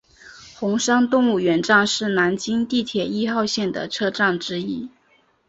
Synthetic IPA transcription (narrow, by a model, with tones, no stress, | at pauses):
xʊ˧˥ŋʂɑ˥ŋt̪ʊ˥˧ŋu˥˩ɥɛ˧˥nʈ͡ʂɑ˥˧ŋʂɻ̩˥˩na˧˥nt͡ɕi˥ŋt̪i˥˩t̪ʰjɛ˨˩i˥xɑ˥˧ʊɕjɛ˥˩nd̪ə̰˩ʈ͡ʂʰɤ˥ʈ͡ʂɑ˥˩ŋʈ͡ʂɻ̩˥i˥